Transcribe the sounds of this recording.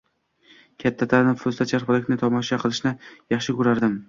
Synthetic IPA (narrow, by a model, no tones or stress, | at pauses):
kʲʰat̪ʰːat̪ʰaɾnɪfʊzt̪at͡ʃʰaɾpɒlɪkʲnɪt̪ʰɒmɒʃaqʰɨlˠɪʃnɪjɑχʃɪkʰʊɾaɾd̪ɪm